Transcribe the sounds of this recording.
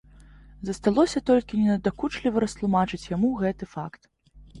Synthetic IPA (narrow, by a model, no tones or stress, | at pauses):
zɐst̪alˠɔsʲɐt̪ɔlʲkʲinʲɛnɐd̪akut͡ʂlʲivɐɾɐst̪lˠumat͡ʂɨt͡sʲjamuɣɛt̪ɨfakt̪